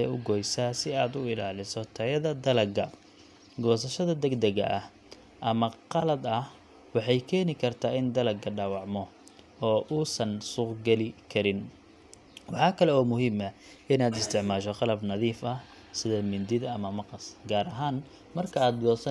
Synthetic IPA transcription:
ɛʊɡɔːjsaːsɪaːd̪ʊɪlaːlɪsɔt̪ʰɐjɐðɐd̪ɐlɐɡɐ | ɡɔːs̬ɐʃɐðɐd̪ɛɡd̪ɐɣɐ̰ʔɐh | ʔɐmɐqɑlɐd̪ɐh | wɑħɑjkʰɛːnɪkʰɐrt̪ʰaːɪnd̪ɐlɐɡɐɖaːwɑʕmɔ | ɔːʔuːsɐnsuːqɡɛlɪkʰɐɾɪn | wɑħɑːkʰɐlɛɔːmʊɦiːmɐ | ʔɪnaːd̪ɪst̪ʰɪʕmaːʃɔqɑlɐbnɐðiːfɐh | sɪðɐmɪnd̪ɪðɐɐmɐmɑqɑsɡaːɾɐɦaːn | mɐrkʰɐaːd̪ɡɔːsɐ

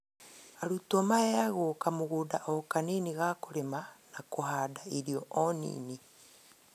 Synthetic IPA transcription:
aɾutomaeaɣokamoɣudaʔɔkaniniɣakoɾemanakoɦadaiɾiɔʔɔnḭːni

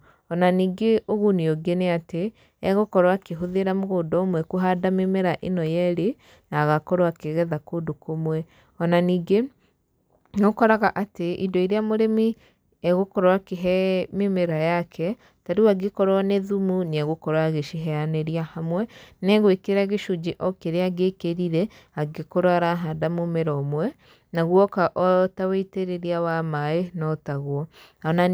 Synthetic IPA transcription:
ɔnaniːɡeoɣunioɡeneate | ɛɣokɔɾwakeɦoðeɾamoɣoːdɔmwɛkuɦadamemeɾaʔenɔjɛɾe | naɣakɔɾwakeɣɛðakodokomwɛ | ɔnaniːɡe | nokɔɾaɣaʔateʔḭdɔiɾeamoɾemi | ɛɣokɔɾwakeɦɛmemeɾajakʰɛ | taɾiwaɡekɔɾwaneðumuneaɣokɔɾwaɣeʃiɦɛaneɾiahamwɛnɛɣwekeeɾaɣeʃud͡ʒeʔɔkeɾeaɡekeɾiɾɛ | aɡekoɾwaɾaɦadamomeɾɔmwɛ | naɣwɔkaʔɔtaweiteɾeɾiawamaenɔtaɣwɔ | ɔna

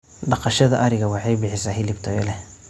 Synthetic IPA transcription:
ɖɑqɑʃɐðɐʔɐɾɪɣɐwɑħɑjbɪħɪsaːhɪlɪbt̪ʰɔjlɛ

